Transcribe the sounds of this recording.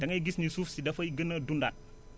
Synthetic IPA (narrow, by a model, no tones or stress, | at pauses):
dɐŋɐjɡisnisuːfsidɐfɐjɡənːɐdundat̚